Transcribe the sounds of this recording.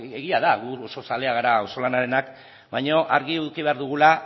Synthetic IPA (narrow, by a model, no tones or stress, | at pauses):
eɣiað̞aɣuoso̞sale̞aɣaɾaoso̞lanaɾe̞nak | bajɲo̞ʔaɾɣiuðkiβe̞aɾðuɣ̞ula